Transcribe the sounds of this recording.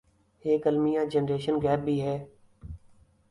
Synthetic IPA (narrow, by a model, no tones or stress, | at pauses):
ɦeːkəlmijãːd͡ʒənɾeːʃənɡɛːb̚ːʱiːɦɛː